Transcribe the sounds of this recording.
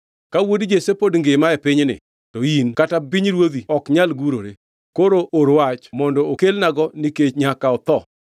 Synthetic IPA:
kawodd͡ʒesepodŋɡemaepɪɲnɪ̰ | tɔinkatabiɲɾwod̪iɔkɲalɡuɾoɾe | koɾoʔoɾwat͡ʃmɔndɔokelnaɡɔniket͡ʃɲakaɔt̪ɔ

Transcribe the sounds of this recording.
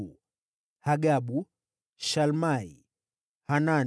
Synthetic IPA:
u | haɡaɓu | ʃalmai | hana

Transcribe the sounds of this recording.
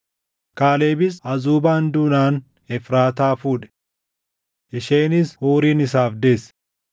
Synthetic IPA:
kaːleːbɪsɐzuːbaːnd̪ʊnaːn | ɛfɾaːt̪aːfuːᶑɛ̥ | ʔɪʃeːnɪshuːɾiːnɪs̬aːfd̪e̞ːs

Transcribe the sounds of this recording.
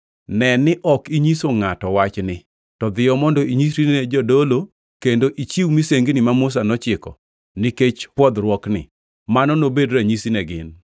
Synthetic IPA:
nɛnɪʔɔkiɲisoŋatɔwat͡ʃnɪ | tɔd̪ɪjɔmɔndɔiɲisɾied͡ʒɔdolo | kendoʔit͡ʃiwmiseŋɡinimamus̬anɔt͡ʃɪkɔ̰ | nɪket͡ʃpwɔd̪ɾwɔknɪ̰ | manɔnobedɾaɲisinɛɡɪn

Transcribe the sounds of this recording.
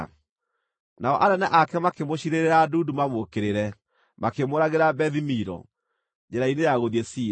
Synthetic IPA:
naɔʔaɾɛnaʔakɛmakemoɕiɾeɾeɾadudumamokeɾeɾɛ | makemoɾaɣeɾabɛðimiɾɔ̰ | ɲd͡ʑɛɾainejaɣoðiɛsi

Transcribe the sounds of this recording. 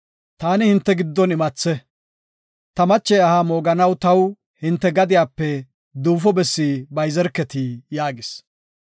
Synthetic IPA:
t̪aːnɪhɪnt̪ːɛɡɪd̪ːɔnɪmɐt͡sːɛ | t̪ɐmɐt͡ʃːɛjɐhamoːɡɐnɐwt̪ɐw | hɪnt̪ːɛɡɐd̪ɪjaːpːɛ | d̪uːfɔbɛsːibɐjzɛɾkːɛt̪ijaːɡɪs

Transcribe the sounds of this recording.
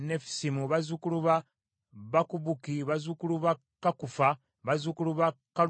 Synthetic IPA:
nefi̥simuβazukuluβa | βakuβukiβazukuluβa | kakufa | βazukuluβaka

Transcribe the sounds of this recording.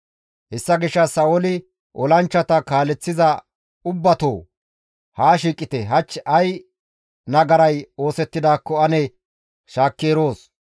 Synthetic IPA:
hɛsːɐɡɪʃːɐsɐolɪ | ʔɔlɐnt͡ʃːɐt̪ɐkaːlɛt͡sːɪzɐ | ʊbːɐt̪oː | haːʃiːkʼːɪt̪ɛɦɐt͡ʃːɐj | nɐɡɐɾɐjo̞ːsɛt̪ːɪd̪aːkːɔɐnɛ | ʃaːkːeːɾo̞ːs

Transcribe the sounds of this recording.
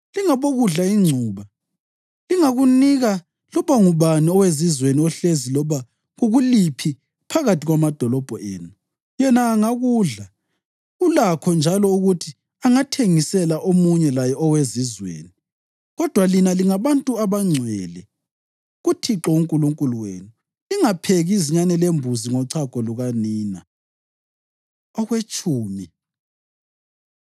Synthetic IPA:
liŋaβoɣuɮaiŋ͡ǀʱuːβa | liŋaɣuniɣa | lɔβaŋuβaniɔwezizweniɔɬezilɔβa | ɣuɣulipʰi | pʰaɣatʰiɣwamad̥ʱɔlɔb̥ʱɔ̰ʔḛːnu | jɛnaːŋaɣuːɮa | ulakʰɔnd͡ʒʱalɔuɣutʰi | aŋatʰeŋisɛlaʔomuɲɛlajɛɔwezizwḛːni | ɣɔd̥ʱwalinaliŋaβantʼuaβaŋ͡ǀʱwɛlɛ | ɣutʰiǁɔuŋkʼuluŋkʼuluwḛːnu | iŋapʰeɣiziɲanɛlembʱuziŋɔǀʰakʼɔluɣaniːna | ɔɣwet͡ʃʼuːmi

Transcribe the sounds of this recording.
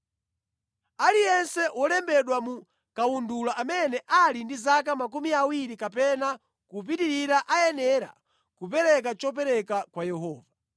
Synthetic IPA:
alijɛnsɛwɔlɛmbɛɗwamu | kawundulaʔamɛnɛʔalindizakamakumiawiɾikapɛna | kup̬itiɾiɾaʔajɛnɛɾa̰ | kupɛɾɛk̬at͡ʃɔp̬ɛɾɛkakwajɛhɔːva

